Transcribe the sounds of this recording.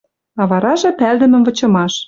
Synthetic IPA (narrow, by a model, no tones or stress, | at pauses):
ɑβɑɾɑʒɤ̆pæld̪ə̆mə̆mvɤ̆t͡ɕɤ̆mɑʃ